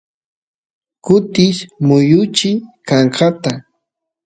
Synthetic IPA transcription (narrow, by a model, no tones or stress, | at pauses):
kʊt̪ɪʃmʊjʊt͡ʃɪkɑɴɢɑt̪a